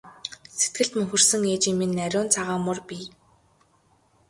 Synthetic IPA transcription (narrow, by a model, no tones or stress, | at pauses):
set̪̚ɡɘ̆ɮt̪mɵŋxɵ̆rsɘ̆ŋeːt͡ɕiminːæɾʲʊːnt͡sʰaʁaːmʊrpʲiː